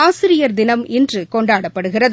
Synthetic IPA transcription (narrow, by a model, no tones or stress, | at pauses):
aːsɪɾɪjɐɾd̪ɪnɐmɪndrɯkɔɳɖaːɽɐpːɐɽɯɣɪrɐð